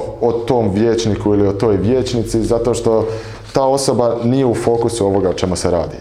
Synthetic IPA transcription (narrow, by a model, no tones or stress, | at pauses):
ot̪oːmʋjeːt͡ʃnikuilio̞t̪o̞ːjʋje̞ːt͡ʃnit̪sizat̪o̞ːʃt̪o̞ | t̪aːo̞so̞banije̞ufo̞ːkusuo̞ʋo̞ɡaot͡ʃe̞museɾa̰ːd̪ḭ